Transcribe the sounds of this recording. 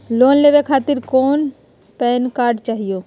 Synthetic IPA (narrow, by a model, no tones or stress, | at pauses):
loːnleːʋekʰaːt̪ɪɾkɔːn | pɛːnkaːɾɖt͡ʃaːɦijoː